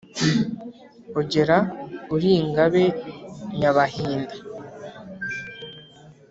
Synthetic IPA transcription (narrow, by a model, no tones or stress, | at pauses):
uɟe̞ɾauɾiːŋɡaβe̞ɲaβahiːnda